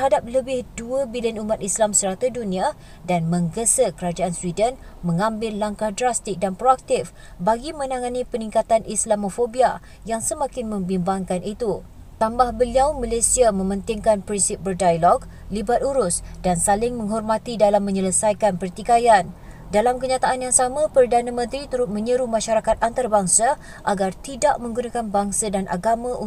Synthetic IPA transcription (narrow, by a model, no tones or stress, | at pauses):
t̪rhadap̚ləbɪhduəbiliənumat̪islamsəɾat̪udunĩa | danmə̃ŋɡəsəkəɾad͡ʒaanswidən | mə̃ŋãmbɪlːaŋkahdɾast̪ɪk̚danpɾoak̚t̪ɪf | baɡimə̃nãŋãnipənĩŋkat̪anislamofobia | jaŋsəmãkɪnmə̃mbimbaŋkanit̪u | t̪ambahbəliawmãlesiamə̃mə̃nt̪ɪŋkanpɾinsɪp̚bərdajalɔɡ | libat̪uɾʊsdansalɪŋmə̃ŋɦɔrmat̪idalamːə̃ɲələsajkanpərt̪ikajan | dalamkəɲat̪aʔanjaŋsamãpərdanãmə̃nt̪ɾit̪uɾʊt̪̚mə̃ɲəɾumãʃaɾakat̪̚ant̪aɾabaŋsa | ʔaɡart̪idaʔmə̃ŋɡunakanbaŋsadanʔa̰ɡamãʔu